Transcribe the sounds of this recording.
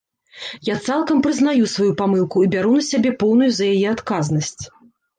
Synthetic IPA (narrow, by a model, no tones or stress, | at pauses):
jat̪salˠkɐmpɾɨzn̪ajusvajupamɨlˠkuibʲaɾunɐsʲabʲɛpɔwnujuzɐjajɛat̪kaznɐsʲt͡sʲ